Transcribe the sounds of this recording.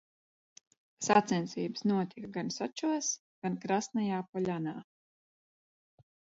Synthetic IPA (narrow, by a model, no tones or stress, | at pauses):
sat̪sɛnt̪siːbə̥snuɔt̪ʲikaɡansat͡ʃuɔs | ɡ̥ankɾast̪najaːpɔʎʲanaː